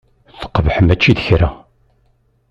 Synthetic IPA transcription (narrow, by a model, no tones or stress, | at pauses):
θə̥qːəvħəmæt͡ʃːiðəçɾæ